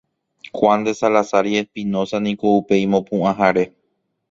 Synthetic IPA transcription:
kwand̪e̞salasaɾiespĩnõ̞sanĩkoupe̞jmõ̞pũʔãɦaɾe̞

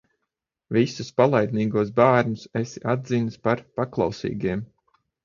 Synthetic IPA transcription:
visuspalˠajd̪niːɡuɔsbaːɾnʲusɛsiʔad̪ziːnɨspaɾpaklˠa̰wsḭːɡiɛm

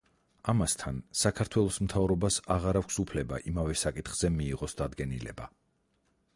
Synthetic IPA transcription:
amast̪ʰansakʰaɾt̪ʰwɛlˠɔsmt̪ʰavɾɔbasaʁaɾakʰʷsupʰlɛba̰ʔimavɛsakʼit̪χz̥ɛmiːʁɔsd̪ad̪ɡɛnilɛ̰ba

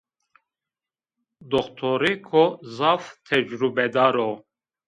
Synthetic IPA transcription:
d̪ɔχt̪ʰɔɾikʰɔzaft̪ʰɛd͡ʒɾubɛd̪aɾɔ

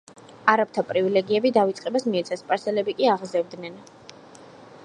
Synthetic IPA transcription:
aɾap̚t̪ʰapʼɾivilɛɡiɛbid̪avit̪sʼqʼɛbasmiɛt̪sʰaspʼaɾsɛlɛbikʼiaʁzɛvd̪nɛn

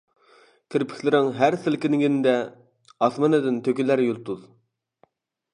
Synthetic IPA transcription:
kʲʰiɾpʰɪ̥kʲlɪɾɪŋɦæɾsɪlkʲinɪɡʲinɪd̪ɛ | ɑsmɑnɨd̪ɪnt̪ʰøkʲilæɾjulˠt̪ʰuð

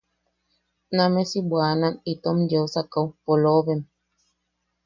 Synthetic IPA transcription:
namesibwananit̪omjewsakawpoloβem

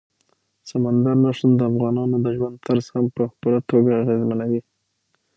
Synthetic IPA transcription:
samand̪aɾnaʂənd̪əafɣɑnɑnod̪əʒwand̪̚t̪aɾz̥hampəxpəlat̪oɡaːɣezmanawi

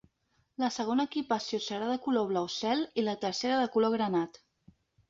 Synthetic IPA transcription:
ləsəɣ̞onəːkipəsiosəɾaðəkuloβ̞lawsɛlilət̪əɾseɾəðəkuloɣ̞ɾənat̪

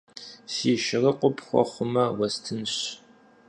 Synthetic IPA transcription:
siːʃɪrɐqʷʊpχʷɔ̰χʷʊmɐwɐstʰɨnɕ

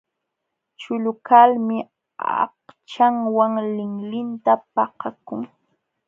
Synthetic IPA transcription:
t͡ʃʊlʊkalmɪ | ɑ̰ht͡ʃaŋwaŋlɪŋlɪnt̪apɑhakʊŋ

